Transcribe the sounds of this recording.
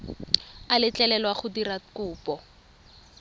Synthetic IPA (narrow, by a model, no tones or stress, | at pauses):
alɪt͡ɬɛlɛlwaχʊdirakʊːpɔ